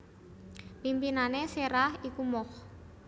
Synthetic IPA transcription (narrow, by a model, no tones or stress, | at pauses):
pimpinaneseɾahikumɔh